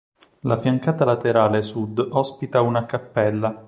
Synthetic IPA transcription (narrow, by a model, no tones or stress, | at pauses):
lafjaŋkaːt̪alat̪eɾaːlesud̪ɔspit̪aunakapːɛlːa